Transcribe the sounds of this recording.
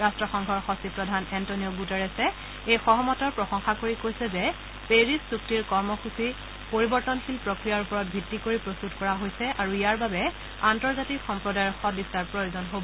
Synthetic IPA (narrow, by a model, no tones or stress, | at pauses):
ɹastɹɔxɔŋɡʱɔɹxɔsipɹɔdʱanɛntonijɔɡutɛɹɛsɛ | ejxɔɦɔmɔtɔɹpɹɔsɔŋxakoɹikojsɛzɛ | peɹissuk̚tiɹkɔɹmɔxusi | poɹibɔɹtɔnxilpɹɔkɹijaɹupɔɹɔt̚bʱitːikoɹipɹostutkɔɹaɦojsɛʔaɹuijaɹbabɛ | antɔɹzatikxɔmpɹɔdajɔɹxɔdisaɹpɹojozɔnɦobɔ